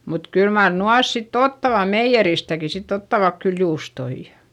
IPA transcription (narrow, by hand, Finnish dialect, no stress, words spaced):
mut kyl mɑr nuɑs sitː otːɑʋɑ meijːeristæki sitː otːɑʋɑk kyl juːstoijɑ̥